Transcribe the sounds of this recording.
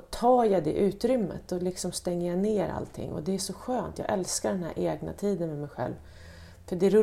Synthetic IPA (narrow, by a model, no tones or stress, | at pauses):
t̪ʰɑːjad̪ɛ̰ʔʉ̟ːt̪ɾʏmːə̰t̪̚ɔlɪksɔmst̪ɛŋːəjaneːɾa̰lt̪ʰɪ̰ŋːɔ̰d̪ɛæʂɔɧøːnt̪jɑ̰ːɡʔɛlskaɖɛnhæ̰ɾʔeːɡna̰t̪ʰiːd̪ənmɛmɛjɧɛ̰lv | fœɖɛɾ